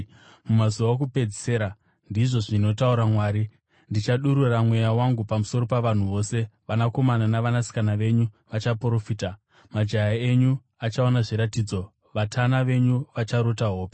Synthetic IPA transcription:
mumazuʋak̬upe̞d͡zeseɾa | ndiʐo̞ʐino̞tauɾamwaːɾi | ndit͡ʃaɗuɾuramwe̞jawaŋɡupamuso̞ɾo̞paʋan̤uʋo̞se̞ʋanako̞mananaʋanasi̥kanaʋe̞ɲu | ʋat͡ʃapro̞fiːta | mad͡ʒajae̞ɲu | at͡ʃaonaʐiɾatiːd͡zo̞ | ʋatʰanaʋe̞ɲuʋat͡ʃaɾo̞taɦo̞ːpe̥

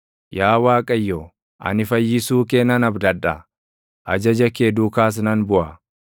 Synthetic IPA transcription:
jaːwaːkʼɐjːo | ʔɐ̰nɪfɐjːɪsuːkeːnɐnɐbd̪ɐᶑɐ | ʔɐd͡ʒɐd͡ʒɐkeːd̪uːkaːs̬nɐnbʊʔɐ

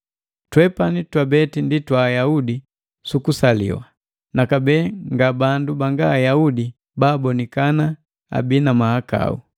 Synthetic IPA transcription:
twɛpanitwabɛtinditwaːjaudi | sukusalḭwa̰ | nakabɛːŋɡabandubaŋɡaːjaudi | baːbɔnikana | a̰binamahaka̰ṵ

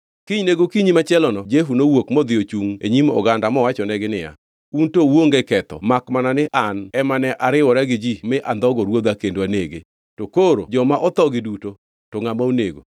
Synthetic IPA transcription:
kiɲneɡokiɲimat͡ʃɛlɔnɔd͡ʒeɦunowokmɔd̪ɪot͡ʃuŋeɲimɔ̰ɡandamɔwat͡ʃɔnɛɡɪnɪja̰ | untowoŋɡɛkɛt̪ɔ̰makmananɪʔanɛmanɛʔaɾɪwɔɾaɡɪd͡ʒimɪʔand̪ɔɡɔɾwod̪akendwaneɡḛ | tokoɾo̰d͡ʒɔmaʔɔt̪ɔɡɪduto | tɔŋamauneɡo̰

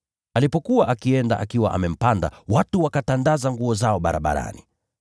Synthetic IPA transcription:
alipɔkuwaʔakiɛnda̰ʔakiwa̰ʔa̰mɛm̩panda̰watuwakatandazaŋɡuɔzaɔɓaɾaɓa̰ɾa̰ni

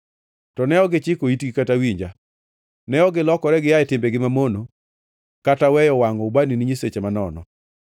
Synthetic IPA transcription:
tɔnɛɔɡɪt͡ʃɪkoitɡikatawiɲd͡ʒa | nɛɔɡɪlɔkɔɾɛɡɪjaɪtɪmbɛɡɪmamono | katawɛjɔwaŋɔbaniniɲiset͡ʃemanɔ̰nɔ̰

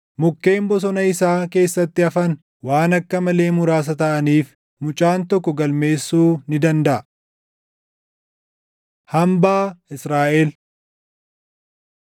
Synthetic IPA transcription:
mʊkːe̞ːmbɔs̬ɔnɐɪsaːke̞ːsːɐt̪ːɪɐfɐn | waːnɐkːɐmɐle̞ːmʊɾaːs̬ɐt̪ɐʔɐniːf | mʊt͡ʃʼaːnt̪ɔkːɔɡɐlme̞ːsːuːnɪd̪ɐnd̪ɐʔɐ | hɐmbaːɪsɾaːʔeːl

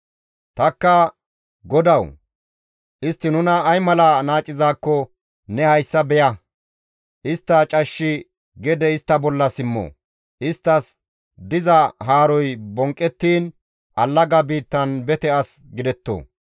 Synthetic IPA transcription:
t̪ɐkːɐ | ɡɔd̪ɐw | ʔɪst̪ːɪnʊnɐːjmɐlɐnaːt͡ʃʼːɪzaːkːɔ | nɛhɐjsːɐbɛjɐ | ʔɪst̪ːɐt͡ʃʼɐʃːɪ | ɡɛd̪ɛɪst̪ːɐbɔlːɐsɪmːɔ̰ | ʔɪst̪ːɐs | d̪ɪzɐɦaːɾɔjbɔŋkʼːɛt̪ːiːn | ʔɐlːɐɡɐbiːt̪ːɐnbɛt̪ɛɐs | ɡɪd̪ɛt̪ːo̰ː

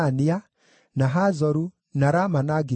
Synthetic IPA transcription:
ania | naɦazɔɾu | naɾamanaɡi

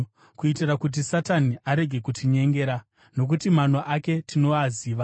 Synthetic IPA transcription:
kuitirakut̬isataniʔaɾe̞ɡʱe̞kutʰiɲe̞ŋɡe̞ːɾa | no̞k̬utiman̤oʔake̞tʰino̞aziːʋa

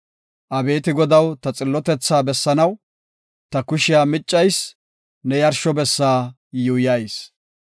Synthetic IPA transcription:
ʔɐbe̞ːt̪ɪɡɔd̪ɐwt̪ɐt͡sʼɪlːɔt̪ɛt͡sːaːbɛsːɐnɐw | t̪ɐkʊʃɪjaːmɪt͡ʃʼːɐjs | nɛjɐɾʃɔbɛsːaː | jujaːjs

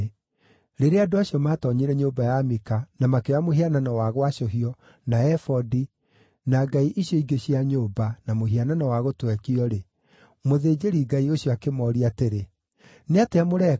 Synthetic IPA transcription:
ɾeɾeadoaɕjɔmatɔɲiɾɛɲobajamikanamakeamoɦiananɔwaɣwaʃoɦiɔ | naɛfɔdi | naɡaiʔiɕjɔiɡeɕiaɲoːbanamoɦiananɔwaɣotwɛkiɔɾe | moðed͡ʑeɾiɡaioɕjɔakemɔːɾiateɾe | neateamoɾɛ

